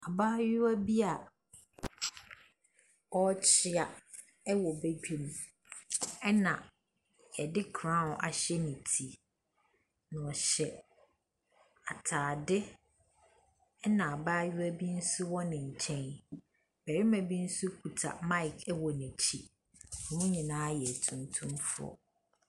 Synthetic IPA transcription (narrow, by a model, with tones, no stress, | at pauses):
a˨baː˦ɥʊ˦æ˦bi˦a˨ | ɔ˦t͡ɕʰɪ˦a˨ | ɛ˦wɔ˨be˦ɡᶣu˨m˨ | ɛ˦nã˨ | jɛ˨dɪ˦kʰɾã˦˨ʔa̰˨ɕɛ˦nɪ̃˨tʰi˨ | nã˨ɔ˨ɕɛ˨ | a˨tʰaː˨dɪ˦ | nã˨a˨baː˦jʊ˦æ˦bi˦n̩˦sʊ˦wɔ̃˦nɪ̃˨ɲ̩˨t͡ɕʰɛ̃˦n | bæ˨ɾɪ˦mæ̃˨bi˦n̩˦su˦kʰu˨tʰa̰˨mã˦ɪ˨kʰɛ˦wɔ˨nɛ̃˨t͡ɕʰi˦ | ɔ̃˨mʊ̃˦ɲĩ˨nãː˦jɛ˨tʰũ˨ntʰũ˦mfʊ̰˦ɔ̰˨